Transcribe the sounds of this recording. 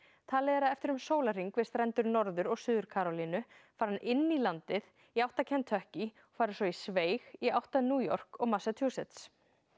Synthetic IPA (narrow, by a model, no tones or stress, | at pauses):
t̪ʰalɛːɾaɛft̪ɪɾʏmsoːwlar̥iŋkvɪst̪rɛnt̪ʏɾnɔɾðʏɾɔɣsʏːðʏɾkʰaːɾɔlinʏfaːɾanɪnːilant̪ɪð | iawht̪acʰɛnt̪ʰœhci | ɔkfaːɾʏsɔisveːjɣiawht̪anuːjɔr̥kɔɣmasat̪ʰjuːsɛt̪s